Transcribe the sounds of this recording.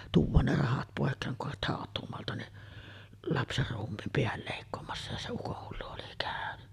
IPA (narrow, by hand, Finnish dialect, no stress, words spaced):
tuːʋˑɑːn ne rɑhɑt poˑekːeːŋ kuh hɑˑet hɑˑotˑuːmoɑltɑ niʔ lɑpserːuːmːiːm peæl leˑikːoːmɑsːɑ jɑ se ukohːulːu oli kæˑøny